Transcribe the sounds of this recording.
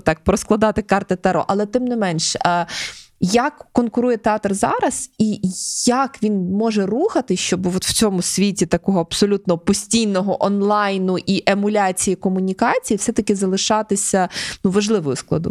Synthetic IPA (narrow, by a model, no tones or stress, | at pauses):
t̪ɑk̚pɾɔsklˠɐd̪ɑt̪ɪkɑrt̪ɪt̪ɛɾɔ̰ʔɐlˠɛt̪ɪmnɪmɛnʃə | jɐkːɔnkʊɾujɛt̪eɑt̪rzɑɾɐz̥ijɐkʋʲinmɔʒɛruxɐt̪ɪʃt͡ʃɔbʋɔt̪w̥t͡sʲɔmʊsʲʋʲitʲit̪ɐkɔɦɔɐb̥sɔlʲut̪nɔpɔsʲtʲijnɔɦɔʔɔnlˠɑjnʊʔiʔemʊlʲɑt͡sʲijikɔmʊnʲikɑt͡sʲijifsɛt̪ɐkʲɪzɐlˠɪʃɑt̪ɪsʲɐnuʋɐʒlˠɪʋɔjʊsklˠɐ̰d̪ʊ̰